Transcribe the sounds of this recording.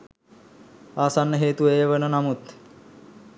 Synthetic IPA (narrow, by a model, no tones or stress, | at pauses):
aːsanːəɦeːt̪ueːʋənənamut̪